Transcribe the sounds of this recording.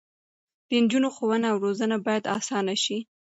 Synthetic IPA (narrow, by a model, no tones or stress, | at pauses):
d̪̥ənd͡ʒunoxowənaawɾozənabɑjad̪ɑsɑnaʃi